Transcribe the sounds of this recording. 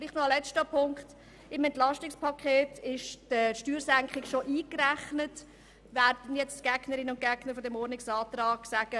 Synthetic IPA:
fliːχtnɔɑlɛt͡ʃtəpʰʊŋkχt | ɪmɛntlɑʃtɪkspʰɑkʰeːtʰɪʃdəʃtyːɾsæŋkχɪkʃoʔiːkræχnət | væːrdən̩jɛt͡stɡ̥ɛɡnəɾɪnʊnt̚ɡ̥ɛɡ̥nəɾfɔdɛmɔɾnɪksɑːtrɑːɡ̥sæɡ̥ə

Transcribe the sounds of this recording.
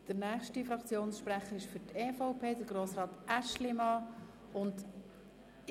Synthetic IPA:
d̥əɾnæːχʃtifɾɑkt͡sjoːnsʃpɾɛχəɾɪʃfʏɾteːfaʊpʰeːd̥əɾɡ̥ɾoːsʁɑːtʔæʃlɪmɑ | ʊnd

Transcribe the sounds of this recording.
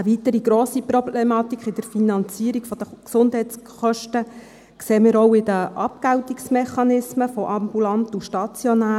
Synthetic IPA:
əvitəɾiɡɾoːsiprɔblemɑt̪ikχɪd̥̪əɾfinɑnt͡siːəɾiɡfɔd̥̪əksʊnd̥ɦɛjt͡sχœʃtə | kseːməɾɔwɪdəʔɑpɡ̥awtiksmɛχɑnɪsməfɔʔɑmbulɑntuʃtɑt͡sjɔnæː

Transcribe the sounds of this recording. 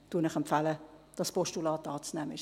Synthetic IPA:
d̥uənɪχɛmpfæləd̥ɑspɔʃtulɑːtɑːt͡snɛməɪʃ

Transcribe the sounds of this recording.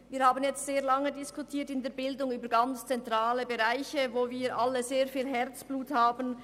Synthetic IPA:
viːhaːbənjɛt͡stz̥eːɐlɑŋədɪskutʰiːtɪndeːɐbɪldʊŋyːbəɾɡant͡st͡sɛntʁ̥aːləbeʁaɪçəvoːviːɾʔalːəzeːɐfiːlɦɛɾt͡sb̥luːthaːbən̩

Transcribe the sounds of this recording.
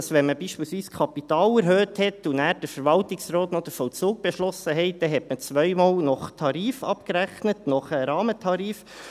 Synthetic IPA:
sʋɛnməbiːʃpiːlsʋiːskʰɑpitɑːlɛɾɦøːthɛtːunæːɾd̥əɾfəɾʋɑltɪksɾɔːtnɔd̥̪əfɔlt͡suːɡ̚b̥eʃlɔsəɦɛɪt̚d̥̪ɛɦɛtmət͡svœʏmɑːlnɔχtʰɑɾiːfɑ̰pkɾæχnətnɔχəɾɑːmətʰɑɾiːf

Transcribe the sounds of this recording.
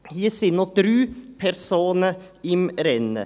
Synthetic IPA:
jiːsɪnːɔd̪ɾʉːpʰæɾsuːnəɪmɾɛnə̰

